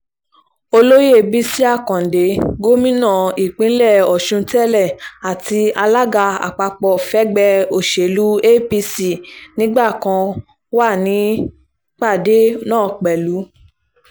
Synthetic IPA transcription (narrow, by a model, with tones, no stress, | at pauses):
o˧lo˦je˦˨bi˦si˦a˦˨kɔ̃˨de˨˦ɡo˦mĩ˦nã˦˨i˨k͡pĩ˨˦lɛ˦˨ɔ˨ʃũ˧tɛ˦lɛ˦˨a˨ti˧a˧la˦ɡa˧a̰˨k͡pa˧k͡pɔ˧fɛ˦ɡ͡bɛ˧o˨ʃe˨lu˦e˦pi˧si˦˨nĩ˨˦ɡ͡ba˦˨kã˧ | wa˦˨nĩ˨˦ | k͡pa˦˨de˨˦nãː˦˨k͡pɛ˨lu˨˦